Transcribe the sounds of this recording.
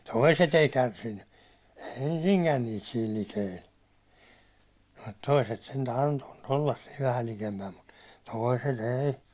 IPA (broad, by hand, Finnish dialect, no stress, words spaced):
toiset ei kærsinːy ensiŋkæn niːt siːl likeil mut toiset sentæ ɑntoʋ̥ɑ̥t olːɑs siːʋ ʋæhæl likempæm mut toˑi̞set eˑi̞